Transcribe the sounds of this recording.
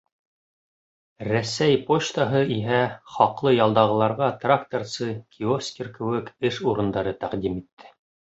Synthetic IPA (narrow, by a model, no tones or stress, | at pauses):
ɾæsæjpot͡ɕt̪ɑɦɤiɦæχɑqlˠɤjɑlˠd̪ɑʁɤ̆lˠɑɾʁɑt̪rakt̪orsɤkʲʰiofskʲerkɘ̆wɘkɘʃuɾɤ̆nd̪ɑɾɤt̪æqd̪imit̪ːɘ̥